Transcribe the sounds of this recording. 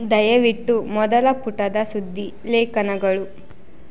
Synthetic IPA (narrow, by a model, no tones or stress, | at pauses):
d̪ɐjɐʋiʈːumɔd̪ɐlɐpuʈɐd̪ɐsud̪ʱːi | leːkɐnɐɡɐɭu